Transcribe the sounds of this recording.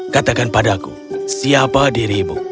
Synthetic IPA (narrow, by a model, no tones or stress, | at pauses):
kat̪akanpadakṵsiapadiɾibṵ